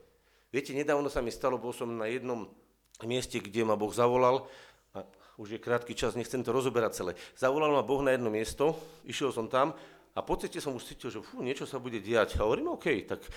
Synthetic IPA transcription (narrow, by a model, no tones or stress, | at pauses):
ʋɪɛcɛɲɛd̪aːʊnɔsamist̪alɔbɔlsɔmnajɛd̪nɔm | mɪɛscɛɡɟɛmabɔɣzaʋɔlal | a | uʒjɛkɾaːt̪kit͡ʃazɲɛxt͡sɛmt̪ɔɾɔzɔbɛɾat͡salɛz̥aʋɔlalmabɔɣnajɛd̪nɔmɪɛst̪ɔiʃjɛlsɔmt̪am | apɔt͡sɛcɛsɔmuʃtt͡siːcilʒɛfuɲɛt͡ʃɔsabuɟɛɟɛacɦɔʋɔɾiːmɔːkɛjt̪ak